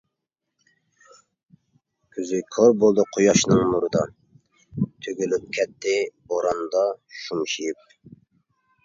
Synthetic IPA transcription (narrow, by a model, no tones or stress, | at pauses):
kʲʰyzɪkʰoɾbolˠd̪ɨqʰojɑʃnɨŋmuɾɨd̪ɑ | t̪ʰøɡʲylyp̚kʲʰɛt̪ːɪboɾɑnd̪ɑʃumʃijip̚